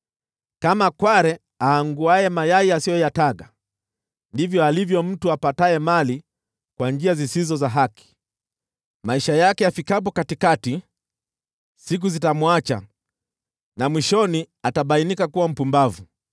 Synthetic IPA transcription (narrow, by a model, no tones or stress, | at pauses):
kamakwaɾɛ | aːŋɡuajɛmajaiasijɔjataɠa | ndivjɔalivjɔm̩tuapataɛmali | kwand͡ʒiazisizɔzaɦaki̥ | maiʃajakɛafikap̬ɔkatikati | sik̬uzitamwat͡ʃa̰ | namwiʃɔni | ataɓainikakuwam̩pumbavu